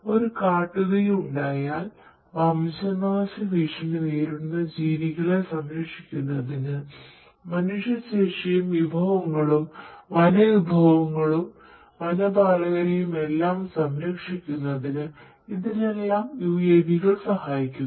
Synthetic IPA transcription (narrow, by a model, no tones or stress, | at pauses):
o̞ɾukaːʈːuɣɐjuɳɖaːjaːl | ʋɐmɕɐnaːɕɐʋiʂɐnɨʋeːɾunːɐd͡ʑiːʋiɣɐɭesɐmɾɐkʂikʲːunːɐðinɨ | mɐnuʂjɐɕeːʂɐjumʋibʱɐʋɐŋːɐɭumʋɐlɐʋibʱɐʋɐŋːɐɭum | ʋɐlɐbaːɭɐɣɐɾejume̞lːaːmsɐmɾɐkʂikʲːunːɐðinɨ | iðine̞lːaːmjuːjeːbʱiɣɐɭsɐhaːjikʲːun